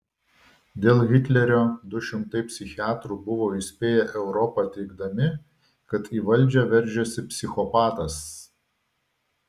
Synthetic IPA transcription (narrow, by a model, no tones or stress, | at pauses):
d̪ʲeːlˠɣʲɪt̪ʲlʲɛɾʲoːd̪ʊʃʲɪmt̪ɐɪpʲsʲɪxʲɪɑːt̪ɾuˑbʊʋoːisʲpʲeːjɛʔɛʊɾɔpɑt̪ʲɛɪɡd̪ɐmʲɪ | kɐt̪iːʋɐlʲˑd͡ʒʲɛʋʲɛɾʲˑd͡ʒʲɛsʲɪpʲsʲɪxɔpɑːt̪ɐs